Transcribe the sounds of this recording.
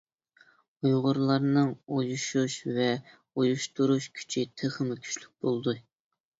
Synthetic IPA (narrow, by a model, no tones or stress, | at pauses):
ujʁʊɾlˠɑɾnɨŋujuʃuʃvɛ | ujuʃt̪uɾuʃkʲʰy̥t͡ʃʰit̪ʰeχɨmɪkʲʰy̥ʃlʲyk̚ʲbolˠd̪u